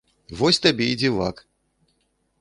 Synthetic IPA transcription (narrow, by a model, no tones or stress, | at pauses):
vɔsʲt̪abʲɛid͡zʲiva̰k